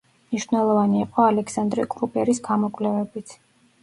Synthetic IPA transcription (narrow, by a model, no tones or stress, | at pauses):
mniʃwvnɛlˠɔvaniɛqʼɔalɛksand̪ɾɛkʼɾupʼɛɾisɡamɔkʼwlɛvɛbit̪ʰ